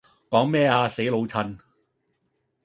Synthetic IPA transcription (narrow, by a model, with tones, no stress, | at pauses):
kɔː˨˥ŋmɛː˥aː˧se˨˥jlo˨˧wt͡sʰɐ˧n